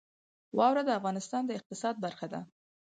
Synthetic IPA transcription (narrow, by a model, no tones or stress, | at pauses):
wɑwɾad̪əafɣɑnɪst̪ɑnd̪əɪq̚t̪ɪsɑd̪̚baɾxad̪a̰